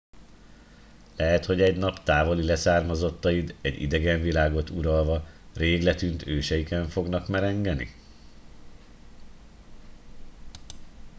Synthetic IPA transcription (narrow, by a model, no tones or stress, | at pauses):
lɛɦɛt̪ho̞ɟɛɟnɒpt̪aːvo̞lilɛsaːrmɒzot̪ːɒjid̪ɛɟḭd̪ɛɡɛɱvilaːɡo̞t̪uɾɒlvɒreːɡlɛt̪ynt̪ʰøːʃɛjikɛɱfo̞ɡnɒkmɛɾɛŋɡɛnḭ